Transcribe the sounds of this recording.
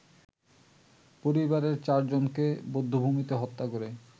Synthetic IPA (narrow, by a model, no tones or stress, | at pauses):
poɾibaɾeɾt͡ɕaɾd͡ʑonkebod̪ʱːubʱumit̪eɦɔt̪ːakoɾe